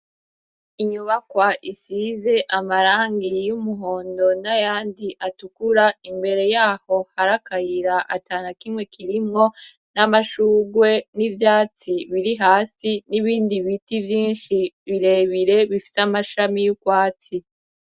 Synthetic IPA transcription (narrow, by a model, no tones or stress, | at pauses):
iɲuβakwaʔisize̞ʔamaɾaːŋɡijumuɦo̞ːndo̞najaːndiʔatukuɾaimbe̞ɾe̞jaːho̞haɾakaɾiɾaʔataːnakimŋwe̞kʰiɾimŋo̞ | namaʃuːɡwe̞nivjaːt͡siβiɾiɦaːsiniβiːndiβitivjiːnʃiβiɾe̞βiɾe̞βifi̥samaʃamijukwaːt͡si